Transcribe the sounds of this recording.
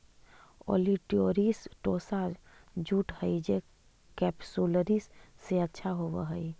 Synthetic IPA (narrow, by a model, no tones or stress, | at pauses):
o̰liʈioːɾisʈoːsad͡ʒuːʈhəid͡ʒe | kɛːpsuləɾissːeətːʃʰaɦoːʋə̰ɦəi